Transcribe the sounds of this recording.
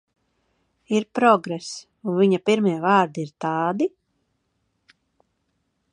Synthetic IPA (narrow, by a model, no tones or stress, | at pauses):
iɾpɾɔɡɾɛs | uviɲapiɾmiɛvaːɾd̪iiɾt̪ɑːd̪i